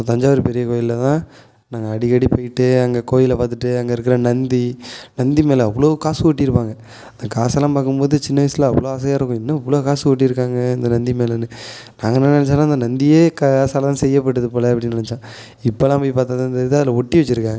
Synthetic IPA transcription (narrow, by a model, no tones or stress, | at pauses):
t̪ɐɲd͡ʒaːʋɐɾɯpɛɾɪjɐkoːjɪllɐt̪ãː | naːŋɡɐɐɽɪkɐɽipɐjʈːɯɐŋɡɐkoːjɪlɐpaːt̪ɯʈːɯɐŋɡɐɪɾɯk̬ːɯɾɐnɐnd̪inɐnd̪imeːlɐɐʋːɐɭoːkaːsɯɔʈːiɪɾɯpːaːŋɡɐ | ɐnd̪ɐkaːsaːlãːpaːkːɯmpoːðɯt͡ʃɪnːɐʋɐɪslɐɐʋːɐɭoːɐs̬ɐjaːɾɯkːʊ̃ɪnːɐɐʋːɐɭoːkaːsɯɔʈ̬ːiɪɾɯkːaːŋɡɐɪnd̪ɐnɐnd̪imeːlɐnːɯ | naːŋɡɐnɪnɪnɛt͡ʃːaːlãːɪnd̪ɐnɐnd̪ijeːkaaːsaːlɐt̪ãːsɛjːɐp̬ːɐʈːɯðɯpoːlɐɐpːɐɽɪnnɪnɛt͡ʃːãː | ɪpːolãːpɐːipaːɾt̪aðant̪ɐɾɪðɯɐðɪlɐɔʈːiʋɐt͡ʃːɪɾɯkːaːŋɡɐ